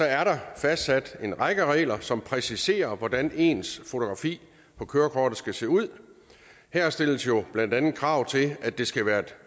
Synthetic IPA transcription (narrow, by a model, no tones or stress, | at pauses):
sɒ̽æɐɾɑ̈fæsd̥sæd̥e̝nʁɑ̈ɡ̥əʁɛ̰ːlɐsɒ̽mpʰʁɛsise̝̰ːɐʋɒd̥æne̝ːnsfo̝t͡sʰo̝ɡ̥ʁɑ̈fḭː | pʰɒ̽kʰøːɐkʰɒːd̥ð̩ˠsɡ̥æse̝̰ːuð̞̰ˠ | hæɐ̰sd̥e̝l̰əsjo̝b̥lænd̥ænn̩kʰʁɑ̈ʊ̰t͡sʰe̝læd̥e̝sɡ̥æʋæːɐd̥